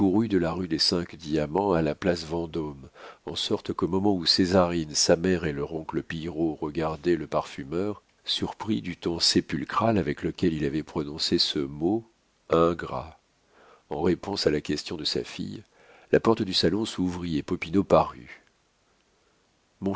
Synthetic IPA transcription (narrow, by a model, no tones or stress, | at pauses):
kuʁyd̪əlaʁyd̪esɛ̃kd̪iamɑ̃alaplasvɑ̃d̪ɔmɑ̰̃sɔʁt̪komɔmɑ̃usezaʁinsamɛʁeləʁɔ̃kləpijʁoʁəɡaʁd̪ɛləpaʁfymœʁ | syʁpχid̪yt̪ɔ̃sepylkχalavɛkləkʲɛlilavɛpχɔnɔ̃sesəmo | ɛ̃ɡʁa̰ | ɑ̰̃ʁepɔ̃salakʲɛst̪jɔ̃d̪əsa̰fḭj | lʔapɔʁt̪əd̪ysalɔ̃suvʁiepɔpinopaʁy̰ | mɔ̃